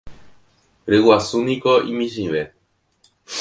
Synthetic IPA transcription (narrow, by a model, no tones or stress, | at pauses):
ɾɨwasunĩkoḭ̃mĩʃ̬ĩʋe